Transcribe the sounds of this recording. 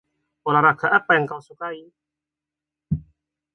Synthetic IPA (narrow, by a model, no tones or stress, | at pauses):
olaɾaɡaʔapajaŋkawsukai